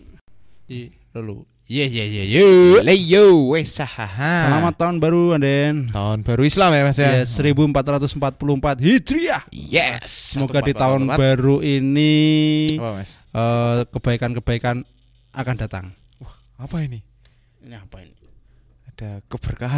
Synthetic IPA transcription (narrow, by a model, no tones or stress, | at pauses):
i | lulṵ | jɛsjɛsjɛjolejowesahaɦasəlamat̪ːaʊnbaɾuandɛnt̪aʊnb̥aɾuislamɛmasɛsəɾibuəmpat̪ɾat̪ʊsəmpat̪̚puluəmpat̪̚ɦid̪̥ɾiajɛsəmoɡ̥adit̪aʊnbaɾuini | əkəb̥aikankəb̥aikan | ʔakand̥a̤t̪a̰ŋ | ah | apaini | iniapaini | ad̥akəb̥ərkaɦa